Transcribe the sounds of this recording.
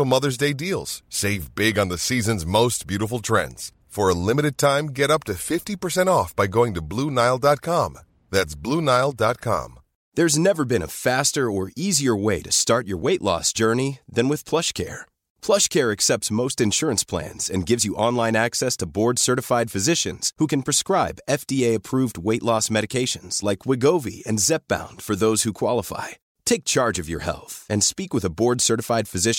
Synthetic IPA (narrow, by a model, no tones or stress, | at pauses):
l̩ˠmʌðə˞zdeɪdilˠz̥seɪvbɪɡ̃n̩ðɨsizɨ̃nzmoʊs̚b̥jʉɾəfl̩ˠtʰɹ̥ɛ̰̃ndz̥ | fə˞əlɪ̃mɨɾɨd̚tʰãɪ̃mɡɛɾʌp̚tɨfɪftipə˞sɛ̃ñtɔfb̥aɪɡoʊɪ̃ŋtɨblunaɪlˠdɑt̚kʰɑ̃m | ðætsb̥lunaɪl̩ˠdɑt̚kʰɑ̰̃m | ðə˞znɛvə˞bɨ̃ñə̰fæstə˞ə˞iziə˞weɪɾɨstɑɹt͡ʃə˞weɪʔlɔ̰sd̥ʒ̥ɜ˞niðɨ̃nwɨð̥pʰl̥ʌʃkʰɛ̰ɹ | pʰl̥ʌʃkʰɛɹɨksɛp̚tsmoʊstɨ̃nʃʊɹɨ̃nspʰl̥æ̰̃nz̥ɨ̃nɡɪvzjɨʔɑ̃nlãɪ̃næksɛstʰəbɔɹd̥sɜ˞ɾɨfaɪd̥fɨzɪʃɨ̰̃nz̥hukɨ̃npʰɹ̥ɨskɹaɪbɛfd̥ieɪɨpʰɹ̥uvd̚weɪʔˡlɔsmɛɾɨkʰeɪʃɨ̃nz̥laɪkʰwɪɡoʊvḭɨ̰̃nzɛp̚b̥ã̰ʊ̃nd̥fə˞ðoʊz̥hukʰw̥ɑlˠəfa̰ɪ | tʰeɪk̚t͡ʃʰɑɹd͡ʒʌvjə̰˞hɛ̰lˠθɨ̃nspikwɨðəbɔɹd̥sɜ˞ɾɨfaɪd̥fɨzɪʃ